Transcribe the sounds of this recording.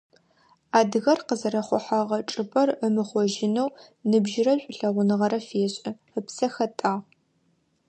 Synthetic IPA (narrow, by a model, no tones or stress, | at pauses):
aːdɨɣɐrqəzɐɾɐχʷʊħaʁɐʈ͡ʂʼɨpʼɐrəmɨχʷɔʒɪnɐwnɨbʒɪrɐɕʷʼʊɬɐʁʷʊnɨʁɐɾɐfeːɕʼɪ | əpsɐxɐtʼaːʁ